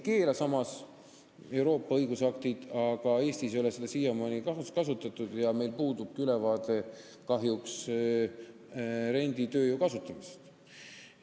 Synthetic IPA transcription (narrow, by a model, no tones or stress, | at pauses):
ke̞ːlɑsɑmɑs | e̞wɾo̞ːpːɑɤjɡusɑk̚t̪id̪̥ɑɡ̥ɑe̞ːsʲt̪isjo̞lesed̪̥ɑsijɑmɑnikɑkɑsut̪ːˑɑt̪ːˑud̪̥jɑme̞jlpuːd̪ub̥̚kylɛvɑːt̪e̞ | kɑɦjuks | ɾe̞nʲd̪̥it̪ø̞ːjukɑsut̪ːˑɑmise̥st̪